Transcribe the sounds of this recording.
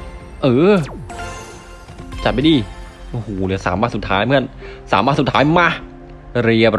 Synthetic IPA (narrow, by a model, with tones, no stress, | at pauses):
ʔɤː˧˩ | t͡ɕa˨˩t̪̚ma˧˩jdiː˧˩ʔo˧˩hoː˨˩lɯ˧˩sa̰ː˩˦mːaː˧˥˩su˨˩t̪ʰːaː˦˥jmɯ˥˩ənsaː˩˦maː˧˩su˨˩t̪ʰaː˦˥jma˧˥˩ | ɾi˧˩əp̚